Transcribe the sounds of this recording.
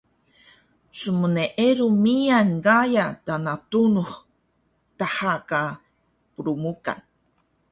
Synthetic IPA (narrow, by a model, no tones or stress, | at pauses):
suməneʔeɾumijanɡajat̪anat̪unuχ | t̪ahaka | pɾumuka̰n